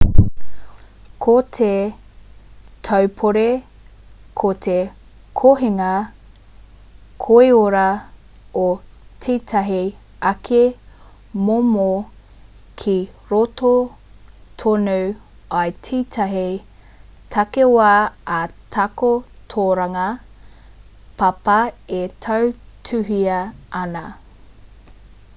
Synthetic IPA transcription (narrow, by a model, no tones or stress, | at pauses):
kʰot̪ʰe | tʰɐwpʰoɾe | kʰot̪ʰe | kʰoɦeŋɐ | kʰoeoɾɐ | o | tʰiːtʰɐɦi | ɐkʰe | momo | kʰi | ɾoto | t̪ʰonuw | ɐjtʰiːtʰɐɦi | tʰɐkewaːɐtʰɐkotʰoːɾɐŋɐ | pʰɐpɐetʰɐw | tʰʉɦiɐɐnɐ